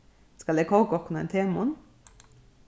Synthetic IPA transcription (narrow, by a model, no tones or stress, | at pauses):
skɑleːkʰoːɡɔknɑḛːnt̪ʰeːmʊn